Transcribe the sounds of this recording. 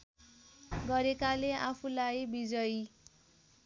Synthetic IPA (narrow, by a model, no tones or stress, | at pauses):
ɡʌɾekaleʔapʰulajbid͡zʌj